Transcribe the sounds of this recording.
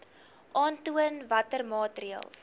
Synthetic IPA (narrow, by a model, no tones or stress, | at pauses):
ʔɑːntuənvɐtərmɑːtriə̰lˠs